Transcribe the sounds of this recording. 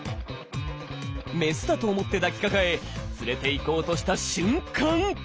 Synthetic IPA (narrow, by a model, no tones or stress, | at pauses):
me̞sɨd̪at̪o̞ːmo̞t̪ːe̞d̪akʲi̥kakae̞t͡sɨɾe̞t̪e̞iko̞ːt̪o̞ɕi̥t̪aɕɨ̃ŋkãŋ